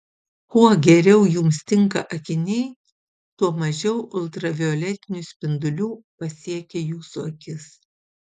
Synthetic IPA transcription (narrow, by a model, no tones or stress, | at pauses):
kuɔɡʲɛɾʲɛʊjʊmst̪ʲɪŋkɐʔɐkʲɪnʲɛɪ | t̪uɔmɐʒʲɛʊʔʊlˠt̪ɾɐʋʲɪɔlʲɛt̪ʲɪnʲusʲpʲɪnd̪ʊlʲuːpɐsʲiɛkʲejuːsuɐkʲɪs